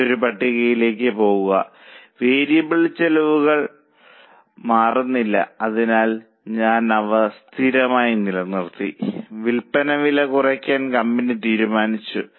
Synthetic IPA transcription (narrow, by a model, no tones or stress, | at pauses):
oɾupɐʈːiɣɐjile̞ːkːɨpo̞ːɣuɣɐ̰ʋeːɾijɐbiɭt͡ɕːɐlɐʋuɣɐɭ | maːrunːilːɐ̰ɐðinaːl | ɲaːnɐʋɐst̪ʰiɾɐmaːjinilɐnirt̪ḭʋilpɐnɐʋilɐkurɐkʲːaːnkɐmbinɨt̪iːɾumaːnit͡ɕːu